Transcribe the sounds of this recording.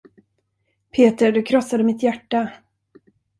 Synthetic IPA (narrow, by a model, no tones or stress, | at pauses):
pʰeːt̪əɖɵkʰɾɔsːad̪əmɪt̪jæʈːa